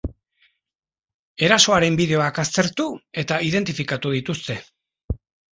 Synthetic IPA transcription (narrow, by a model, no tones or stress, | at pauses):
e̞ɾaso̞aɾe̞mbiðe̞o̞akast̪e̞ɾt̪ue̞t̪aið̞e̞nt̪ifikat̪uð̞it̪ust̪e̞